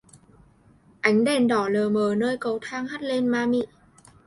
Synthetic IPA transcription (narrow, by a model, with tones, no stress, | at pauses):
ʔa˨˦jŋ̟ɗɛ˧˩nɗɔ˧˩ləː˨˩məː˨˩nəː˧jkə˨˦wt̪ʰaː˧ŋha˦˥t̚le˧nmaː˧mḭ˧˨